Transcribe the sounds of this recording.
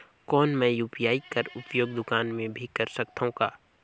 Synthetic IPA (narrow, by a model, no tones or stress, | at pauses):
kɔːnmɛ̃ːjuːpijaːikɐɾʊpjoːɡd̪ʊkaːnmẽbʱikɐɾsɐk̚t̪aɦũkaː